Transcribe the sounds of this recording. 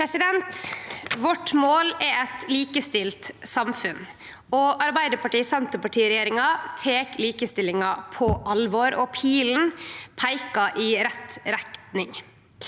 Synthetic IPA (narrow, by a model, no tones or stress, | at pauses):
pʰɾɛsɪd̪ɛnt̪ʋɔʈmoːlɛɛt̪liːkəst̪ɪlt̪sɑmfʉn | ɔɑɾbæɪd̪əpɑʈiːsɑnt̪əpɑʈʰiːɾɛjeːɾɪŋɑt̪ʰeːkliːkəst̪ɪlɪŋɑpʰɔʔɑlʋɔɾɔpʰiːln̩pʰæɪkɑʔiɾɛt̪ɾækt̪nɪŋ